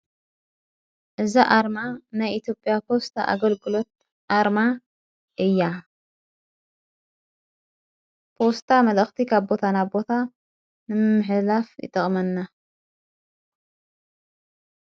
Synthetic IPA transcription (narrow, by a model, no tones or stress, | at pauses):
ʔɨzaʔaɾmanajʔit̪ʰjo̞pʼːjapʰo̞st̪ʰa̰ʔa̰ɡɐlɡɨlo̞t̪̚ | ʔaɾma | ʔɨjːa | pʰo̞st̪ʰamɐlɐxt̪ʰikʰabbo̞t̪ʰanabo̞t̪ʰa | nɨmɨmːɨħɨlafjɨ̰t̪ʼɨχʼmɐnːa